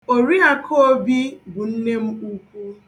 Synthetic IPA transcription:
o˨ɾi˦a˨kʰo˦bi˦bʊ˨n̩˦ne˦m̩˦u˦kʷu˦

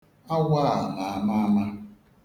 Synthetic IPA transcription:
a˦wʷa˦˨na˨a˦ma˦ma˦

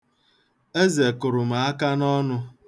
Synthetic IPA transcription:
e˦ze˨kʊ˨ɾʊ˨m̩a˨a˦ka˦nɔ˦nʊ˦

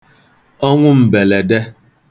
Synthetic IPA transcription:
ɔ˦ŋʷʊ˦m̩˨be˨le˨de˦

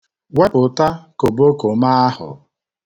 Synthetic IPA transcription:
we˦pʊ˨ta˦ko˨bo˦ko˨ma˦a˦hʊ̰˨

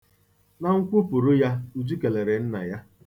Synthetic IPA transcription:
na˦ŋ̩˦kʷu˦pʊ˨ɾʊ˦ja˦u˦˨d͡ʒu˦ke˨le˨ɾe˨n̩˦na̰˨ja˦

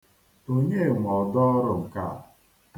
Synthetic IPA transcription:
o˦ɲe˦˨ŋʷɔ˨dɔ˦ɾʊ˨m̩˨ka̰˦˨

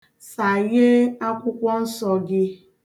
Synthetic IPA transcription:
sa˨ɣɪ˦a˦kʷʊ˦kʷɔ˦n̩˦sɔ˨ɡɪ˦

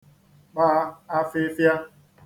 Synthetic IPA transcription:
k͡paː˦a˦fɪ˦fja˦

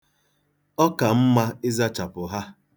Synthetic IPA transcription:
ɔ˦ka˨m̩˦ma˦ɪ˦za˦t͡ʃa˨pʊ˨ɦa˦

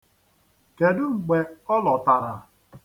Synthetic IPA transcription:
ke˨dʊ˦ŋ͡m̩˨ɡ͡be˨ɔ˦lɔ˨ta˨ɾa̰˨

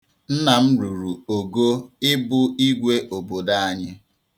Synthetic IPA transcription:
n̩˦na˨m̩˦ɾu˨ɾu˨o˨ɡo˦ɪ˦bʊ˦i˦ɡʷe˦ʔo˨bo˨da˦a˨ɲɪ˦

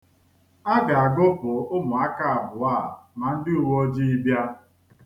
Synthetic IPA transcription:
a˦ɡa˨a˨ɡʊ˦pʊ˨ʊ˦mʊ˨a˦ka˦˨a˨bʊ˨aː˦˨ma˨n̩˦dɪ˦u˨wɔ˦d͡ʒi˦i˦bja˦

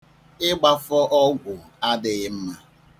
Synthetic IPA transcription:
ɪ˦ɡ͡ba˦fɔ˦ʔɔ˦ɡʷʊ˨ | a˦dɪ˨ɣɪ˦m̩˦ma˨

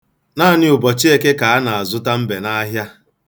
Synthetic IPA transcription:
naː˦˨nɪ˦ʊ˨bɔ˨t͡ʃi˦e˦ke˦ka˨a˦na˨a˨zʊ˦ta˦m̩˦be˨na˦ɦja˦

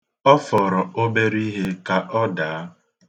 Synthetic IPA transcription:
ɔ˦fɔ˨ɾɔ˨o˦be˦ɾi˦ɦe˦ka˨ʔɔ˦daː˨˦

